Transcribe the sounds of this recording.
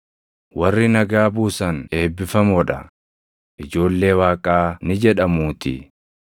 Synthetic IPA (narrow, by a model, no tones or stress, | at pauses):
wɐrːɪnɐɡaːbuːsɐne̞ːbːɪfɐmɔᶑɐ̰ | ʔɪd͡ʒo̞ːlːe̞ːwaːkʼaːnɪd͡ʒɛᶑɐmuːt̪ɪ̰